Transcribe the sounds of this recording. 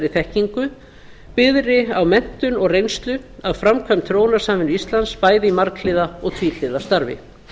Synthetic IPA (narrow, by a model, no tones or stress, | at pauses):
ɾɪθɛhciŋkʏ | pɪðɾɪawmɛn̥t̪ʏnɔɣrejnst̪lʏaðfɾamkʰvœmt̪ʰɾoːwnḁsaːmɪnʏist̪lanspaːjðɪimaɾklɪðaɔɣt̪ʰviːl̥ɪːðast̪aɾvɪ̰